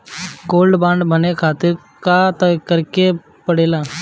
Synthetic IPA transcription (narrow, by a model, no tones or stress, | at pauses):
koːlɖbãːɳɖbʱənekʰaːt̪ɪɾ | kat̪əkəɾke | pəɽeːlaː